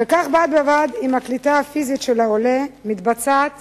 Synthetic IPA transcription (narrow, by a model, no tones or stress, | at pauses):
vekaχbat̪̚bavad̪imaklit̪aafizit̪ʃelaolemit̪bat͡sat̪